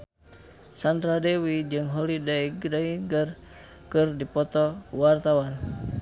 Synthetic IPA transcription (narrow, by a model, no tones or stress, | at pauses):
sand̪ɾadɛwid͡ʒɨŋɦɔlidaiɡdaiŋɡər | kɨrdipɔt̪ɔwart̪awan